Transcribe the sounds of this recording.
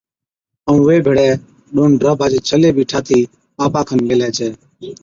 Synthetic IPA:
əũːʋeːbʱeɽɛː | ɗoːɳɖɾəːbʱaːd͡ʒːt͡ʃʰəleːbʱiːʈʰaːt̪ʰiː | aːpaːkʰənmeːlɛːt͡ʃʰɛː

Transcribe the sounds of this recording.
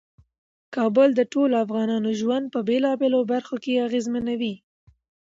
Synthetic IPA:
kɑbʊld̪əʈoloafɣɑnɑnoʒwand̪̚pəbelɑbelobaɾxokeaɣezmanawi

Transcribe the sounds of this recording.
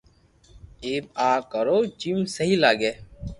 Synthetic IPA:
eːbaːkəɾoːd͡ʒimsəɦiːlaːɡeː

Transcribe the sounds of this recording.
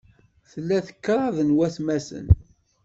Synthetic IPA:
θəlːæθə̥kːɾˤɑðˤənwæsmæsə̰n

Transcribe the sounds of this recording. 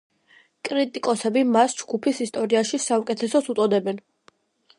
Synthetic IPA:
kʼɾit̪ʼikʼɔsɛbimasd͡ʒɡupʰisist̪ʼɔɾiaʃisaukʼɛt̪ʰɛsɔsut̪sʼɔd̪ɛbɛn

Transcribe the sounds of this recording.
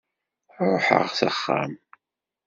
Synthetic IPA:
ɾˤoħə̰ʁθəχːa̰m

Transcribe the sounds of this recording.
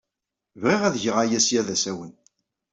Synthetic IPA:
vʁiʁæðʝəʁajæsjæðæsæwən

